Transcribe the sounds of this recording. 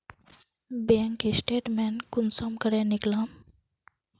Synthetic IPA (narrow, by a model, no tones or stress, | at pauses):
beŋkisʈeʈmɛnkunsɔmkəɾãniklam